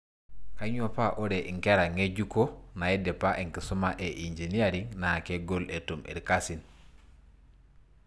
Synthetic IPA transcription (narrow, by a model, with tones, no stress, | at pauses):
ka˦ɲu˦a˨pa˦ʔo˦ɾe˨ʔi˨ŋke˦ɾa˨ŋe˦d͡ʒu˦ko˦na˨e˦de˨pa˦ʔi˨ŋki˨su˦ma˦ʔe˨ʔi˨nd͡ʒi˨ni˦a˦˨ɾi˦ŋna˨ke˦ɡo˦le˨tu˨mḭ˨ɾka˦si˨n